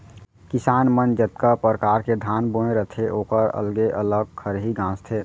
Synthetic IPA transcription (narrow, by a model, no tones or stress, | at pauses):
kɪsaːnmənd͡ʒət̪kapəɾəkaːɾked̪ʱaːnboẽɾət̪ʰeʔoːkəɾə̰lɡeʔələɡ̚kʰəɾɦiɡãːst̪ʰeː